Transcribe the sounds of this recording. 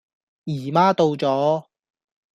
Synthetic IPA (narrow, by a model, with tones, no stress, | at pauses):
jiː˨˩maː˥t̪o˧wt͡sɔː˨˥